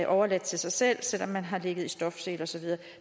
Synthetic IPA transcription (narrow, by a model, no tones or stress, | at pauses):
ʔɒʊɐlæd̥̚t͡sʰe̝lsɑ̈ɪsel̰sel̰ɒ̽mːænɦɑ̈le̝ɡ̥ð̞̩ˠisd̥ɒ̽fse̝̰ːlɒ̽sɒ̽ʋiðˠɐː